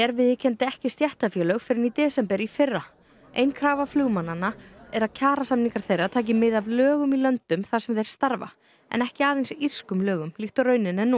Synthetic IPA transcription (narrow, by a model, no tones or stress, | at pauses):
ɛɾvɪðɪcʰɛnt̪ɪɛhcɪst̪jɛht̪afjɛːlœɣfɪɾɪnit̪ɛːsɛmpɛɾifɪrːa | ḛjnkʰɾaːvaflʏɣmananːaɛɾaðcʰaːɾasamniŋkaɾ̥θejrːat̪ʰaːc̬ɪmɪðavlœːɣʏmilœnt̪ʏmθasɛmθejɾ̥st̪aɾva̰ | ɛ̰nɛhcɪaːðejnsir̥skʏmlœːɣʏmliht̪ɔɾœɥnɪnɛnːu